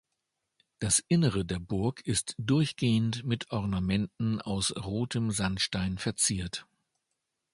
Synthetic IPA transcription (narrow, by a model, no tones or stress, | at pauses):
d̥asʔɪnəʁədeːɐbʊɐkʰɪstd̥ʊɐçɡ̥eːəntmɪtʰʔɔʁnamɛntn̩aʊsʁoːtʰəmzanʃtaɪnfɛɐt͡siːɐt